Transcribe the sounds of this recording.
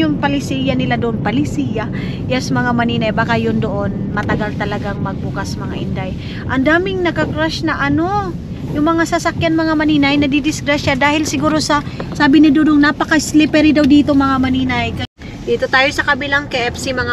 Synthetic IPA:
jʊŋpɐlɪsiːjanɪlad̪oʔonpɐlɪsiːja | jɛsmɐŋamɐniːnɐjbaːkajʊnd̪oʔo̞nmɐt̪ɐɡalt̪ɐlɐɡaŋmɐɡ̚bukasmɐŋa̰ʔɪnd̪aj | ʔɐnd̪aːmɪŋnɐkɐkɾaʃnɐʔɐno̞ | jʊŋmɐŋasɐsɐkjanmɐŋamɐniːnɐjnɐd̪id̪ɪsɡɾaʃad̪aːhɪlsɪɡuːɾo̞sɐsaːbɪnɪd̪od̪oŋnapɐkɐɪslɪpɛɾɪd̪awd̪iːt̪omɐŋamɐniːnɐjkɐ | d̪iːt̪ot̪aːjo̞sɐkɐbilaŋkɐʔɛfsimɐŋa

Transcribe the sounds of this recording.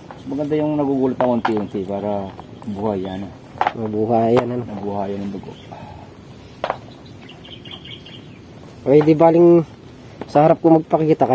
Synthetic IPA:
mɐɡɐnd̪ajʊŋnɐɡuɡuːlɪt̪ɐkont̪iʔont̪ipaːɾɐbʊhajanɐ | mɐbuhaːjɐnɐnnɐbuhaːjɐnɐnd̪ʊɡo̰ | pɛd̪ɪbaːlɪŋ | sɐhɐɾap̚komɐɡ̚pɐkɪit̪ɐkɐ

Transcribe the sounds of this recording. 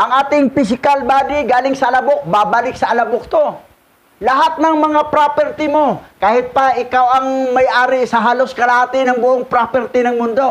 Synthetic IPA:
ʔɐŋʔaːt̪ɪŋpɪs̬ɪkalbaːd̪ɪɡaːlɪŋsɐʔɐlɐbok̚babalɪk̚sɐʔɐlɐbʊk̚t̪o̞ | lɐɦat̪̚nɐŋmɐŋapɾopɛɾt̪ɪmo̞kaːhɪt̪̚pɐʔɪkawɐŋmɐjʔaːɾɪsɐɦaːloskɐlahaːt̪ɪnɐŋbʊʔoŋpɾopɛɾt̪ɪnɐŋmʊnd̪o̞

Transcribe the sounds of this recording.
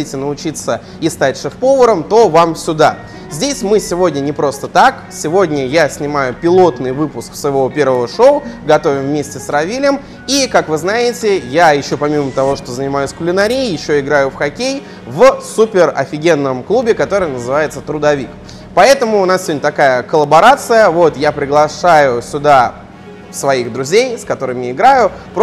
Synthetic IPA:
itʲɪnəʊt͡ɕit̪sə | ist̪atʲʂɨfpo̞vəɾəmt̪o̞vamsʲʊd̪a | zʲdʲesʲmɨsʲɪvo̞dʲnʲənʲɪpɾo̞st̪ət̪ak | sʲɪvodʲnʲəjasʲnʲɪmajʊpʲɪlˠo̞t̪nɨjvɨpʊsksvəɪvopʲe̞rvəvəʂoʊɡɐt̪o̞vʲɪmvmʲesʲtʲɪsrɐvʲilʲɪm | ikakvɨznajɪtʲɪjajɪɕːo̞pɐmʲimət̪ɐvo̞ʂt̪ozənʲɪmajʊsʲkʊlʲɪnɐɾʲejjɪɕːoɪɡɾajʊfxɐkʲej | vsupʲɪrɐ̰fʲɪɡʲe̞nːəmklˠubʲɪkɐt̪o̞ɾɨjnəzɨvajɪt̪sət̪ɾʊd̪ɐvʲik | pɐɛt̪əmʊːnassʲɪvdʲnʲət̪ɐkajəkəlˠəbɐɾat̪sɨjəvo̞t̪japɾʲɪɡlˠɐʂajʊsʲʊd̪a | svɐixd̪ɾʊzʲejskɐt̪o̞ɾɨmʲɪɪɡɾajʊ | p

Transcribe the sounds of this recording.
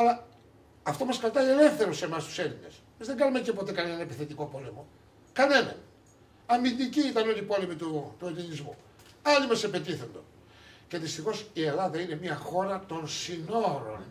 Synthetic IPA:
ɐlɐ | ɐft̪o̞mɐskɐt̪ɐie̞le̞fθe̞ɾose̞mɐst̪u̥se̞line̞s | mɐzðeɡɐlumecepo̞t̪e̞kɐnenɐnepiθe̞t̪iko̞po̞le̞mo̞ | kɐne̞nɐ̰n | ɐmind̪iciit̪ɐnonipo̞le̞mit̪ut̪uelinizmu | ɐlimɐse̞pe̞t̪iθo̞nd̪on | ce̞ðist̪ixo̞sie̞lɐðɐine̞mɐxo̞ɾɐt̪o̞nsino̞ɾo̞̰n

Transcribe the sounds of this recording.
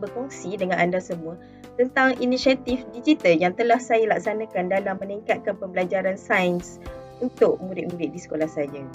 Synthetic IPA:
bəkɔŋsidəŋãnʔandasəmũa | t̪ənt̪aŋinisiat̪ifdid͡ʒit̪aljaŋt̪əlahsajalak̚sanãkandalamːə̃niŋkat̪̚kanpəmbəlad͡ʒaɾansaəns | unt̪ʊʔ̚muɾɪʔ̪̚mũɾɪʔ̪̚disə̥kolahsaja

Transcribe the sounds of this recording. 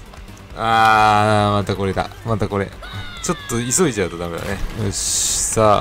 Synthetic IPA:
aːmat̪ako̞ɾet̪a̰mat̪ako̞ɾe̞̰t͡ɕo̞t̪ːo̞iso̞it͡ɕaɯt̪od̪ame̞d̪a̰neoɕi̥sa

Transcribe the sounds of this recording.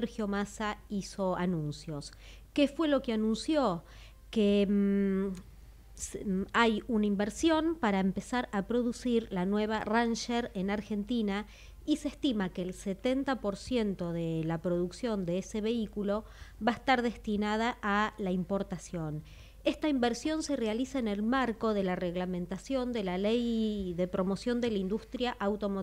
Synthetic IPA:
ɾxjo̞masaiso̞anũnsjo̞s | kefwe̞lo̞keanũnsjo | ke | sajunaimbeɾsjo̞npaɾaempesaɾapɾo̞ðusiɾlanwe̞β̞aranʃeɾenaɾxe̞nt̪ina | isest̪imakeːlset̪e̞nt̪apo̞ɾsje̞nt̪o̞ðelapɾo̞ðuksjo̞nd̪eese̞βe̞ikulo̞ | βaest̪aɾðe̞st̪inað̞aʔːlaimpo̞ɾt̪asjo̞n | e̞st̪aimbeɾsjo̞nse̞re̞alisaene̞lmaɾko̞ðe̞lareɣlamẽ̞nt̪asjo̞nd̪e̞lalejðe̞pɾo̞mo̞sjo̞nd̪elaind̪ust̪ɾjaʔawt̪o̞mo

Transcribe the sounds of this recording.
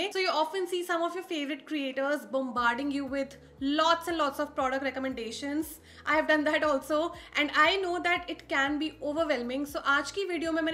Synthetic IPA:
soːjuɔːfə̃nsiːsɐ̃mɔfjɔːɾfeːʋəɾɪʈ̚kɾieːʈəɾzbɔ̃mbaːɾɖɪ̃ŋɡjuːʋɪd̪ | lɔːʈsɛ̃nɖlɔːʈsɔʋpɾɔːɖək̚ʈɾɛkəmɛ̃ɳɖeːʃə̃ns | ʔa̰ɪhɛʋɖʌ̃nd̪æʈɔːlsoːʔɛ̃ɳɖaɪnoːd̪æʈɪʈkɛ̃nbiːoːʋəɾʋɛlmɪ̃ŋɡsoːʔaːt͡ʃkiʋɪɖioːmẽmɛ̃

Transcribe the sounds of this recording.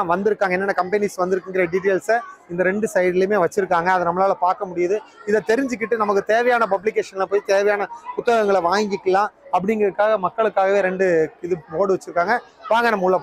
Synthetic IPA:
ʋɐnd̪ɪɾɯkːaːŋɡɐɛnːɐnːɐkɐmpɐnisʋɐnd̪ɯɾɯkːɯŋɡɪɾɐɐɖiːʈ̬eːlsɪnd̪ɐɾɛɳɖɯsɐjɐðɪlɪmeːʋɐt͡ʃːɪɾɯkːaːŋɡɐːɐðɯnɐmːɐlaːlɐpaːɾkɐmʊɽɪjaðɯɪðɐt̪ɛɾɪɲd͡ʒɯkːɪʈːɯnɐmɐkːɯt̪eːʋɐjaːnɐp̬ɐblɪk̬ːeːʂɐnlɐpoːjit̪eːʋɐjaːnɐʊt̪ːɐɣɐŋɡɐɭɐʋaːŋɡɪkːɐlãːɐpːɐɽɪŋɡɾɐɯkːaːɣɐmɐkːɐɭɯkːaːɣɐʋeːɾɛɳɖɯɪðɯoːɽɯʋɐt͡ʃːɯɾɯkːaːŋɡɐʋaːŋɡɐnɐmɐkːʊɯɭːɐ

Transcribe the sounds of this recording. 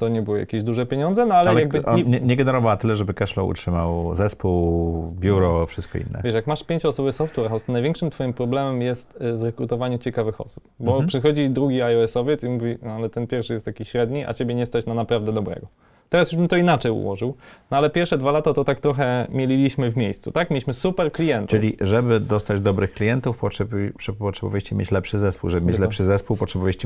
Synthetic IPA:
t̪ɔɲɛbɨwɨja̰kʲeʑd̪uʐɛpʲjeɲɔnd̪zɛnɔalɛjjaɡ̚bɘɛɲɛɡɛnɛɾɔvawat̪ɘlɛʐɛbɘkɛʂlɔ̰ṵtʂɘmawzɛspuwbʲjuɾɔfʂɘ̥st̪̚kɔ̰ḭnːɛ̰vʲɛʂjakmaʂpʲjeɲt͡ɕɔsɔbɘsɔft̪uɛɾxawst̪ɔnajvjɛ̃ŋkʂɨmt̪fɔjimpɾɔblɛmɛmjɛst̪zɾɛkɾut̪ɔvaɲɛmt͡ɕɛkavɘxɔ̰su̥pbɔpʂɘxɔd͡ʑid̪ɾuɡʲiajɔɛsɔvʲjɛt̪simuvʲialɛt̪ɛnpʲjɛɾfʂɘjɛst̪akʲiɕɾɛd̪ɲiʔa̰t͡ɕebʲjɛɲɛst̪at͡ɕnanapɾavd̪ɛd̪ɔbɾɛ̰ɡɔ | t̪ɛɾasjuʐbɘmt̪ɔinat͡ʂɛjṵwɔ̰ʐɘwnɔalɛpʲjɛɾfʂɛd̪valat̪at̪ɔt̪akt̪ɾɔxɛmʲjelʲilʲiɕmɘvmʲjejst̪sṵt̪akmʲjlʲiɕmɘsupɛɾklʲijɛnt̪ɨlʲiʐɛbɘd̪ɔst̪ad͡ʑd̪ɔbɾɘxklʲijɛnt̪ufpɔʂɛbʂɛpɔtʂɛbɔ̰vjaɕt͡ɕɛmʲjḛt͡ɕlɛpʂɘzɛspṵwʐɛbɪmʲet͡ɕlɛpʂɘzɛspuwpɔtʂɛbɔvaɕt͡ɕɛ

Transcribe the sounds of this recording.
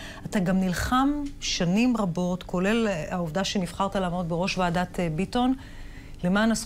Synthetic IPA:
ataɡamnilχamʃanimʁabo̞tkʰo̞le̞laovdaʃe̞nivχaʁtalaːmotbeʁo̞ʃvaːdatebito̞n | lemaːnas

